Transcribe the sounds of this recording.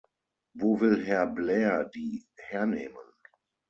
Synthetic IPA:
voːvɪlɦɛɐblɛːɐdiːhɛɐneːmən

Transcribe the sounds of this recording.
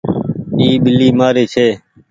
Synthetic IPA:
iːɓɪlːiːmaːɾeːt͡ʃʰeː

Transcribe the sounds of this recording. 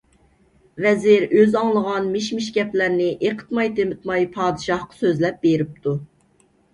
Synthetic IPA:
vɛzɪɾøzɑŋlˠəʁɑnmiʃmɪʃɡʲɛplæɾnɪʔeqʰə̥t̪mɑjt̪ʰemɪt̪mɑjpʰɑːd̪ɨʃɑhqɑ̥søzlɛp̚beɾɪp̚t̪ʰu

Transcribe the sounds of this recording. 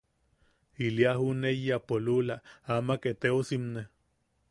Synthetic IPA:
iliaɦunejapolulaamaket̪eosimne

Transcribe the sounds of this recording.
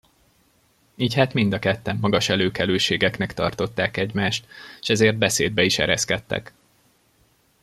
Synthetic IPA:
iːchaːt̪mind̪ɒkɛt̪ːɛmːɒɡɒʃɛløːkɛløːʃeːɡɛknɛkt̪ɒ̰rt̪o̞t̪ːaːkɛɟmaːʃt̪ʃɛzeːrd̪̚bɛseːd̪̚bɛiʃɛ̰ɾɛ̰skɛt̪ːɛ̰k

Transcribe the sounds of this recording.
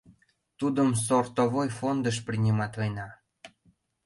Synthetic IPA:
t̪ud̪əms̬ort̪ovojfond̪əʃ̬prʲinʲimɑt̪ojnɑ

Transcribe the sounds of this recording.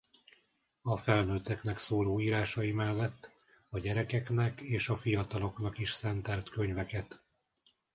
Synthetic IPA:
ɒfɛlnøːt̪ːɛknɛksoːloːiːɾaːʃɒjimɛlːɛt̪ː | ɒɟɛɾɛkɛknɛkeːʃɒfijɒt̪ɒlo̞kn̪ɒkiʃsɛnt̪ɛlt̪køɲvɛkɛt̪

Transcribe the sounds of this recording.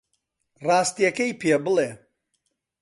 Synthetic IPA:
rɑːst̪ijɐkɐjpʰebɨleː

